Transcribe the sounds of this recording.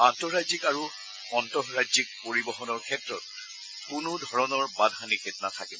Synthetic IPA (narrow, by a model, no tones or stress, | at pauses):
antɔɹazikaɹu | ɔntɔɦɹazik̚poɹibɔxɔnɔɹkʰɛtɹɔt̚ | kunʊdʱɔɹɔnɔɹbadʱɦanikʰetnatʰakibɔ